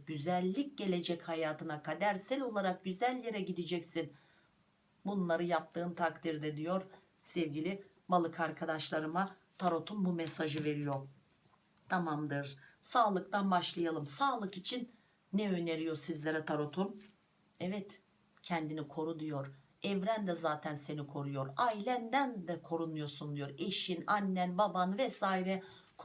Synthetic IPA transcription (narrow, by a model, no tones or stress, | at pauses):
ɟyzælʲːic̚ɟe̞lʲe̞d͡ʒɛchajaːt̪ʰɯnakʰad̪æɾsælʲo̞lˠaɾak̚ɟyzælʲje̞ɾɛɟid̪id͡ʒɛcsin | bunlˠaɾɯjap̚t̪ʰɯːmt̪ʰakt̪ʰiɾd̪ɛd̪ijo̞ɾ | sɛvɟilʲi | malˠɯkʰaɾkʰad̪aʃlˠaɾɯma | t̪ʰaɾo̞t̪ʰumbumɛsaʒɯve̞ɾijo̞ | t̪ʰamamd̪ɯɾsaːlˠɯkt̪ʰanbaʃlˠajalˠɯmsaːlˠɯkit͡ʃʰinː | ɛø̞ne̞ɾijo̞ɾsizlʲeɾɛt̪ʰaɾot̪ʰum | ɛvɛt̪ | cʰɛnd̪inikʰo̞ɾud̪ijo̞ɾ | ɛvɾænd̪ɛzaːt̪ʰænse̞nikʰo̞ɾujoɾailʲænd̪ænd̪ɛkʰo̞ɾunujo̞ɾsund̪ijo̞ɾe̞ʃinanʲːænbabanvɛsaːiɾɛ | kʰ